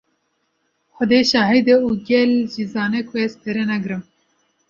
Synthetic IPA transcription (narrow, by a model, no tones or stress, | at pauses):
xʷɔd̪eʃɑːɦid̪euːɡʲɛlʒizɑːnekʰwɛst̪eɾenɛɡɾɨm